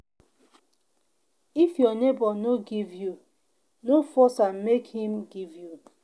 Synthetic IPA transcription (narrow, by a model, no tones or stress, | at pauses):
ifjɔnebɔnoɡivju | nofɔsamekhĩmɡivju